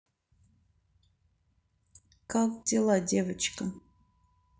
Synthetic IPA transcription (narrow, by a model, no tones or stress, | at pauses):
kakdʲelˠadʲevət͡ʃkə